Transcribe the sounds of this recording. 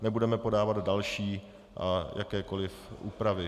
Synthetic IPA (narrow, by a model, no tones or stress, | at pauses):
nɛbudɛmɛpo̞daːvad̪dalʃiː | ʔajʔakɛːko̞lɪfʔṵːpɾavɪ